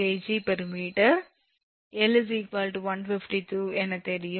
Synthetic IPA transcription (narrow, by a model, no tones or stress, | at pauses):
eːd͡ʒipɐɾɯmiːʈɐɾ | ɛlsiːkʋaːlʈuʋɐnfɪfʈit̪uːɛnːɐt̪ɛɾɪjɯ